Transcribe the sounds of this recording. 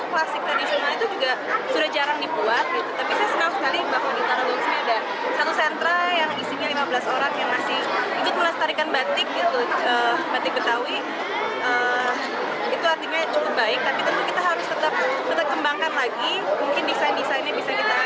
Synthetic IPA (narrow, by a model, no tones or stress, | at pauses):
klasɪk̚d̪adisonalit̪ud͡ʒuɡasudahd͡ʒaɾaŋdibuat̪̚ɡit̪ut̪apisaasəŋasəkalibakwadit̪aɾalaksiniada | sat̪usɛnt̪ɾajaŋdisinalimabəlasoɾaŋjaŋmasɪhit̪ut̪ulast̪aɾikanbat̪ɪk̚ɡit̪uəːbant̪ɪk̚bət̪awi | əː | it̪uart̪iɲat͡ʃukʊp̚baɪk̚t̪apit̪ət̪ʊnkit̪aɦaɾʊst̪ət̪ap̚t̪ət̪ap̚kəmbaŋkanlaɡi | muŋkɪndisandisanabisakit̪a